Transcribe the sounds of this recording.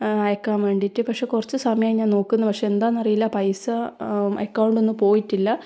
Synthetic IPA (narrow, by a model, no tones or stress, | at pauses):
ɐjɐkːaːmʋe̞ːɳɖiʈːɨpɐkʂe̞ːkurɐt͡ɕːɨsɐmɐjaːjiɲaːnno̞ːkːunːɐpɐkʂe̞end̪aːnːɐrɐjilːɐpɐjsɐɐkːɐwɳɖo̞nːɨpo̞ːjiʈːilːɐ